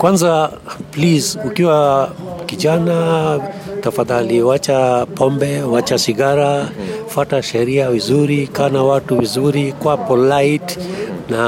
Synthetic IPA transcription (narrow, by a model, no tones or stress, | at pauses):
kwanza | plizukiwa | kiʄana | tafaðaliwat͡ʃapɔmbɛwat͡ʃasiɡaɾafwataʃɛɾiavizuɾikaːnawatuvizuɾikwapɔlaitna